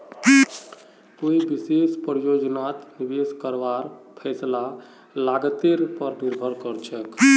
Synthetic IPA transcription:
koibisespɾjod͡ʒnat̪nibeskəɾbaɾpʰɛɪsla | laɡət̪eɾpəɾniɾbʱəɾkəɾt͡ʃʰək

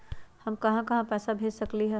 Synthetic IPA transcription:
hɐmkɐɦãkɐɦãpɛːsabʱeːd͡ʒsɐkliɦɛ

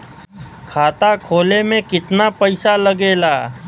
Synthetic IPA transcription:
kʰaːt̪akʰoːlemẽkɪt̪napəɪsaləɡeːlaː

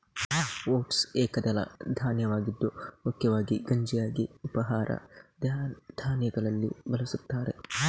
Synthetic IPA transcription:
woːʈseːkːɐd̪ɐlɐ̰d̪aːnɪjɐwaːɡɪd̪ːɔhɔkːɛwaːɡiɡɐnd͡ʒɪjaːɡɪbɐɦaːɾʔɐ̰d̪d̪̥aːnɪjɐɡɐlɐlːḛbɐlɐsɐbt̪ːaːɾɛ

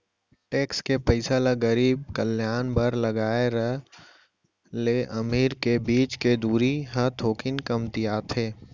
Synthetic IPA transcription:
ʈeːkskepəɪsalaɡəɾiːb̚kəljaːnbəɾlɐɡaːeɾəɦ | leʔɐmiːɾkebiːt͡ʃked̪uːɾiɦət̪ʰoːkɪnkəmt̪ijaːt̪ʰeː

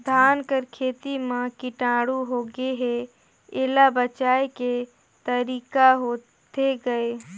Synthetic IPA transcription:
d̪ʱaːnkəɾkʰeːt̪imãkɪʈaːɽuɦoːɡeɦe | eːlabət͡ʃaːeke | t̪əɾiːkaɦoː | tt̪eɡəe

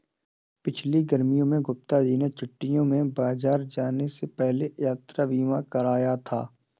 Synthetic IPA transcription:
pɪt͡ʃʰliɡəɾmijõmẽɡʊp̚t̪ad͡ʒiːnet͡ʃʊʈːijõmẽbaːzaːɾd͡ʒaːnesepɛɦlejaːt̪ɾaʋiːmakɐɾaːjat̪ʰa̰ː

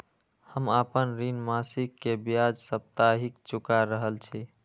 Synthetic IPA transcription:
həmapənɾinmasikːebjad͡ʒsəp̚t̪aɦikt͡ʃukaɾəɦəlt͡ʃʰi

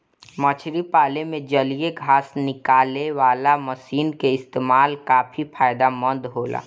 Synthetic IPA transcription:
mət͡ʃʰɾipaːlemẽd͡ʒəlijeɡʱaːsnɪkaːleʋaːlaməsiːnkeɪst̪eːmaːlkaːpʰipʰaːɪd̪amə̃nd̪ɦoːla̰ː

